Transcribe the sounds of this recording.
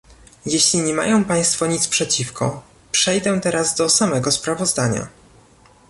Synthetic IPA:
jeɕlʲiɲɛma̰jɔ̃w̃paj̃st̪fɔɲit̪spʂɛt͡ɕifkʰɔ̰ | pʂɛjd̪ɛt̪ɛɾazd̪ɔsamɛɡɔspɾavɔzd̪aɲa̰

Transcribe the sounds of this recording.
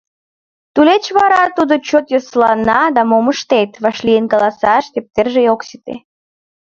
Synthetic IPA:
t̪ulet͡ɕβɑɾɑt̪ud̪ot͡ɕot̪joslɑnɑd̪ɑmoməʃt̪et̪βɑʃlʲijenɡɑlɑsɑʃt̪ep̚t̪erʒejoksi̥t̪ḛ

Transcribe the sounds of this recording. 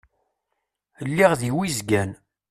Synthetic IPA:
lːiʁðiwizɡæn

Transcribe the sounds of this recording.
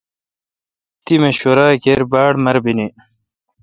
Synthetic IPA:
t̪imeɕoɾaːkeɾbaːɽmɐɾbini

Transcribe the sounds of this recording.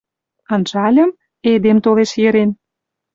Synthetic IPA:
ɑnʒɑlʲə̆m | ed̪emt̪oleʃjeɾen

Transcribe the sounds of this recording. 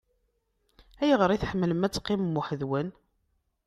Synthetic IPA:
æjʁəɾˤiθħəmːələmæt͡sːqːɪmmːʊħəðwən

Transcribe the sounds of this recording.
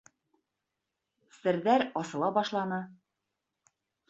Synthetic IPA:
sɘ̆ɾðæɾɒsɤ̆lˠɑbɒʃlˠɑnɤ

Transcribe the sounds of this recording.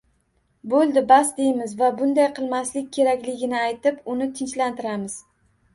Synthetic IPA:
bolˠd̪ɪbasd̪ejmɪzvabʊnd̪ajqʰɨlˠmaslɪk̚ʲkʲʰe̞ɾakʲlɪɡʲɪnɪajt̪ɪpʊnɪt̪ʰɪnt͡ʃlant̪ɪɾamɪz̥

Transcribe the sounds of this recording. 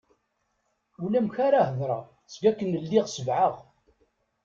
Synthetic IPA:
ulæmçaɾahəðɾˤɑ | sɡækːənəlːiʁsəvʕəʁ

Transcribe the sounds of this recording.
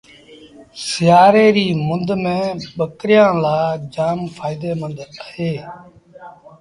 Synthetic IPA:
sɪjaːɾeːɾiːmʊnd̪mẽːɓəkɾɪjãːlaːd͡ʒaːmfʰaːɪd̪eːmənd̪əɦeː

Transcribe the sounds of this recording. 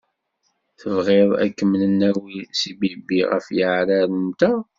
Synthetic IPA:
θəvʁeðˤæ̰kːəmələnːæwisibibiʁə̰fjəʕɾæɾəmt̪æ

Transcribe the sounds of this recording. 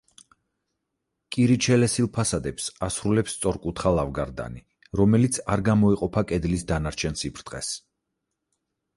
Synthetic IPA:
kʼiɾit͡ʃʰɛlɛsilˠpʰasad̪ɛpsasɾulɛpssʼɔɾkʼut̪χalˠavɡaɾd̪a̰ni | ɾɔmɛlit̪sʰaɾɡamɔiqʼɔpʰakʼɛd̪lisd̪anaɾt͡ʃʰɛnsipʰɾt̪ʼqʼɛ̰s

